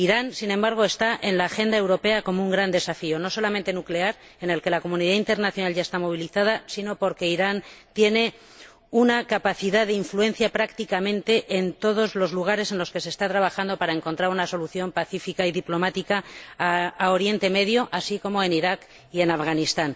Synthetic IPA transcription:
iɾansinẽmbaɾɣ̞o̞e̞st̪aʔe̞nlaːxe̞nd̪ae̞wɾo̞pe̞ako̞mouŋɡɾand̪e̞safio̞no̞so̞lamẽ̞nt̪e̞nukle̞aɾ | ene̞lke̞lako̞muniðaint̪e̞ɾnaθjo̞nalʝae̞st̪amo̞β̞iliθað̞asino̞po̞ɾke̞iɾant̪je̞ne̞ | unakapaθiðaðeiɱfluẽ̞n̟θjapɾakt̪ikamẽ̞nt̪e̞ʔent̪o̞ð̞o̞zlo̞zluɣ̞aɾe̞se̞nlo̞ske̞se̞ːst̪at̪ɾaβaxand̪o̞paɾae̞ŋko̞nt̪ɾaɾunaso̞luθjo̞mpaθifikaiðiplo̞mat̪ika | ao̞ɾje̞nt̪e̞me̞ðjo̞ʔasiko̞mo̞e̞niɾak | ie̞nafɣanist̪an

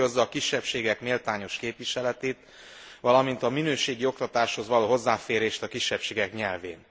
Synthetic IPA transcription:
o̞zːɒːkiʃːɛpʃeːɡɛkmeːlt̪aːɲo̞ʃkeːpʋiʃɛlɛt̪eːt̪ | ʋɒlɒmint̪ɒminøːʃeːɡio̞k̚t̪ɒt̪aːʃho̞zʋɒloːɦo̞zːaːfeːɾeːʃt̪ɒkiʃːɛpʃeːɡɛkɲɛlveːn

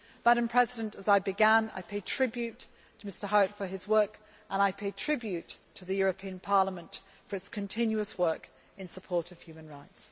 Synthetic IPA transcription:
mæɾə̃mpʰɹ̥ɛzɪɾə̃ntəzaɪbɨɡæ̃na̰ɪpʰeɪtʰɹ̥ɪbjʉtʰ | əmɪstə˞ɦaʊtfəɪzwɜˑ˞k | ʔə̃naɪpʰeɪtʰɹ̥ɪbjʉtʰəðɨjɔɹəpʰĩə̃npʰɑɹləmə̃nt | fə˞ɨtskʰɨ̃ntʰɪ̃njʉəswɜˑ˞k | ɨ̃nsəpʰɔɹɾəv̥hjʉmə̃nɹaɪts

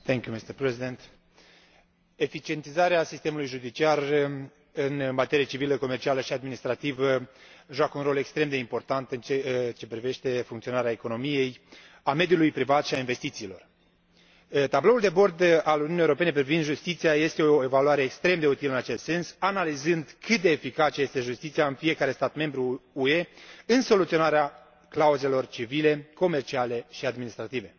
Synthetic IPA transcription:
t̪eŋkʲjumist̪erpɾezid̪ent̪ | e̞fit͡ʃie̞nt̪izaɾeasist̪e̞mulujʒud̪it͡ʃiar | ɨnmat̪e̞ɾijət͡ʃiviləko̞me̞rt͡ʃialəʃiad̪minist̪ɾat̪ivəʒuakəunɾo̞le̞kst̪ɾe̞md̪e̞impo̞rt̪ant̪ɨnt͡ʃet͡ʃe̞pɾive̞ʃt̪e̞fuŋkt̪sio̞naɾeaeko̞no̞mije̞j | ame̞d̪ʲjulujpɾivat̪ʃiainve̞st̪it̪siːlo̞̰r | t̪ablo̞uld̪e̞bo̞rd̪aluniunijewoɾo̞pe̞ne̞p̬ɾivind̪ʒust̪it̪sijaje̞st̪e̞ooevaluaɾe̞ːkst̪ɾe̞md̪e̞ut̪iləɨnat͡ʃe̞st̪se̞nsanalizɨnd̪kʰɨt̪̚d̪e̞ːfikat͡ʃje̞st̪e̞ʒust̪it̪siaɨnfije̞kaɾe̞st̪at̪me̞mbɾuue̞ɨnso̞lut̪sio̞naɾea | klauze̞lo̞rt͡ʃivile̞ko̞me̞rt͡ʃiale̞ʃiad̪minist̪ɾat̪ive̞

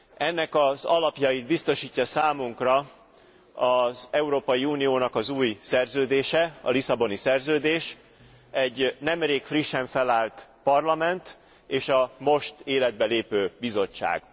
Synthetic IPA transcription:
ɛnːɛkɒzɒlɒpjɒjid̪̚bist̪o̞ʃiːcːɒsaːmuŋkrɒ | ɒzɛuɾoːpɒjiuːnijoːnɒkɒzuːjsɛrzøːd̪eːʃɛɒ̰lisɒbo̞nisɛrzøːd̪eːʃ | ɛɟːnɛmreːkfriʃːɛɱfɛlaːlt̪pɒrlɒmɛnt̪ | eːʃɒmo̞ʃt̪eːlɛd̪̚bɛleːpøːbizo̞t͡ʃːa̰ːɡ̥

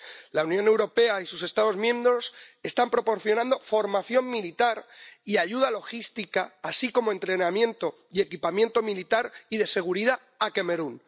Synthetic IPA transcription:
launjone̞wɾo̞pe̞aisuse̞st̪að̞o̞zmjẽ̞mbɾo̞se̞st̪ampɾo̞po̞ɾθjo̞nãnd̪o̞fo̞ɾmaθjo̞mmilit̪aɾiaʝuð̞alo̞xist̪ikaːsiko̞mo̞e̞nt̪ɾe̞namjẽ̞nt̪o̞ | ie̞kipamje̞nt̪o̞milit̪aɾiðe̞se̞ɣ̞uɾiða | ake̞me̞ɾun

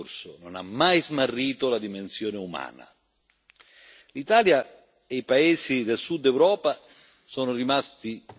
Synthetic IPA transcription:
rsʊnona̰mːajzmarːiːt̪olad̪imensjɔːneuma̰ːna̰ | lit̪aːlja | ejpaeːsid̪elsud̪ːɛwɾɔːpa | sɔːnʊrimast̪i

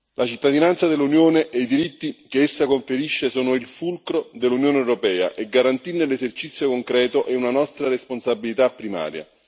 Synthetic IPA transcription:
lʔat͡ʃit̪ːad̪inant̪sad̪elːunjoːneʔeid̪iɾit̪ːikeesːakoɱfeɾiʃːesoːnoilfulkɾod̪ɪlːunjoːneɛwɾopɛːa̰ʔeɡaɾant̪inːelːezert͡ʃit̪sːjokoŋkɾɛːt̪oʔɛunanɔst̪ɾaɾesponsabːilit̪apːɾima̰ːɾja̰

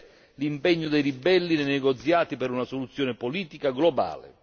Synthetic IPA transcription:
limpɛɲːʊd̪ejɾibɛlːinenɛɡɔt̪sjaːt̪ipɛɾunasolut̪sːjɔːnɪpoliːt̪ikaɡlɔba̰ːlɪ̰

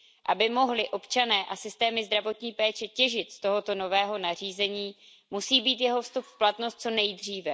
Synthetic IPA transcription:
ʔabɪmo̞ɦlɪʔo̞pt͡ʃanɛːʔasɪst̪ɛːmɪzd̪ɾavo̞t̪ɲiːpɛːt͡ʃɛcɛʒɪt̪st̪o̞ɦo̞t̪o̞no̞vɛːɦo̞nar̝iːzɛɲiː | musiːbiːt̪jɛɦo̞fst̪upfplat̪no̞st̪̚t͡so̞nɛjd̪r̝iːvɛ

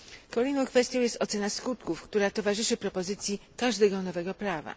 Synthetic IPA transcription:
kɔlɛjnɔ̃w̃kfɛst̪jɔ̃jɛst̪ɔt̪sɛnaskut̪kufkt̪uɾat̪ɔvaʐɘʂɘpɾɔpɔzɘt̪sʲjikaʐd̪ɛɡɔnɔvɛɡɔpɾava̰

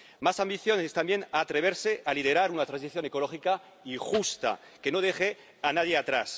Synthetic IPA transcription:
masambiθjo̞nest̪ambje̞naːt̪ɾe̞β̞e̞ɾseʔalið̞e̞ɾaɾunat̪ɾans̬iθjo̞neko̞lo̞xika | ixust̪a̰ | ke̞no̞ð̞e̞xe | anaðjeat̪ɾas

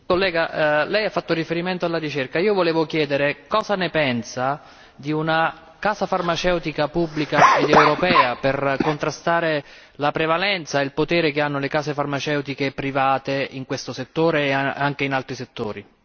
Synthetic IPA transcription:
kolːɛːɡalɛjafːat̪ːorifeɾiment̪oalːarit͡ʃerkaiːovoleːvok̟jɛːd̪eɾekɔːzanepɛnsa | d̪iuna | kaːzafarmat͡ʃɛwt̪ikapubːlikaed̪ɛwɾopɛːaperkont̪ɾast̪aːɾe | lapɾevalɛnt̪sailpot̪ɛːɾekeanːolekaːsefarmat͡ʃɛwt̪ikepɾivaːt̪eiŋkwest̪oset̪ːoːɾeːaŋk̟einalt̪ɾiset̪ːoːɾi

